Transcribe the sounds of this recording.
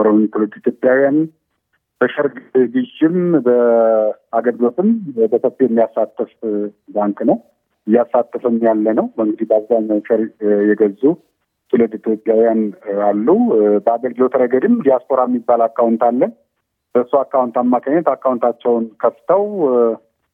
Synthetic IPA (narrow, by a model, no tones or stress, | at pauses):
ɾənt̪ʰuləd̪it̪ʰjopʼjawjan | b̥əʃəɾɡɡɨʃɪmbə | aɡəlɡlo̞t̪ɨmbʰət̪ʰopːeɛmːijasːat̪ʰːɨf | baŋkʼnəw | ɨjːasːat̪ːəfɨmjalːənəwbəɨŋɡɨd̪ibəaβzaɲːawʃəɾjɛɡəzːu | t̪ʰuləd̪it̪ʰjo̞pʼjawijanalːubəaɡəlɡɨlo̞t̪ʰɾəɡəd̪ɨmd̪ijaspo̞ɾaɛmːibːalakːawnt̪alːən | b̥əsːuakːawnt̪amːakʰəɲːat̪akːawnt̪ʰat͡ʃːɛwnkʰəft̪ʰəw